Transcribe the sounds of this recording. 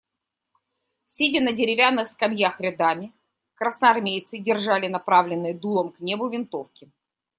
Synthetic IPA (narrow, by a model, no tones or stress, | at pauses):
sʲidʲɪnədʲɪɾʲɪvʲanːɨxskɐmjaxɾʲɪd̪amʲɪ | kɾəsnəɐɐrmʲejt̪sɨdʲɪrʐalʲɪnɐpɾavlʲɪnːɨjəd̪ulˠəmknʲebʊvʲɪnt̪o̞fkʲɪ